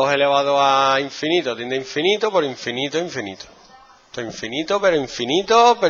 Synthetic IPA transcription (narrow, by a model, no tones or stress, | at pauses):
oɦeleβaðoaiɱfinit̪oat̪eneiɱfinit̪opeɾoiɱfinit̪oiɱfinit̪o̥ | t̪oiɱfinit̪ope̞ɾoiɱfinit̪ope